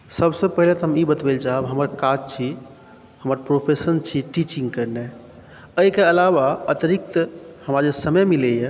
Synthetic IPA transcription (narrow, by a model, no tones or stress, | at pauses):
səbsəpəɦilet̪ɦəmibət̪beld͡ʒaɦəbɦəməɾkad͡ʒt͡ʃʰi | həməɾpɾopʰesənt͡ʃʰiʈit͡ʃĩŋɡkəɾne | əikeəlaβaət̪ɾik̚t̪həmad͡ʒesəməjmilɛje